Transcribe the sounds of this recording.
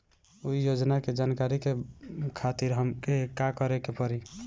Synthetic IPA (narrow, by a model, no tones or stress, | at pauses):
uijod͡ʒnaked͡ʒankaɾikekʰat̪iɾɦəmkekakɔɾekepɔɾi